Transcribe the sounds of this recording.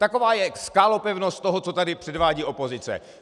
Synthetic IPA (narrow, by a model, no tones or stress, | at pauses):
t̪ako̞vaːjɛskaːlo̞pɛvnost̪t̪o̞ɦot͡so̞t̪adɪpr̥ɛdvaːɟiːʔo̞po̞zɪt͡sɛ̰